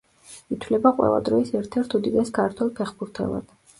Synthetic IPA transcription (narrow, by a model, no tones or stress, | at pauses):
it̪ʰwlɛbaqʼwɛ̰lˠa̰d̪ɾɔisɛɾt̪ʰɛɾt̪ʰud̪id̪ɛskʰaɾt̪ʰwɛlˠpʰɛχbuɾt̪ʰɛ̰lˠa̰d̪̥